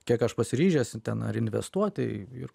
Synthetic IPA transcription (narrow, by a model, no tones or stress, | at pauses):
kʲiɛkɐʃpɐsʲɪɾʲiːʒʲɛsʲt̪ʲɛnɐ̰ɾɪnʲʋʲɛ̰st̪uɔt̪ʲɪ̰ɪ̰ɾ